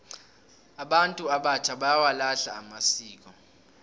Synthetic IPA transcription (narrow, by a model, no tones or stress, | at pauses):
aɓantʼuaɓat͡ʃʰaɓajawalaɬaːmasiːk̬ʼɔ